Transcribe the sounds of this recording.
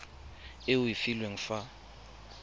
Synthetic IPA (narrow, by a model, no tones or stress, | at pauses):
ɪʊifilweŋ̩fa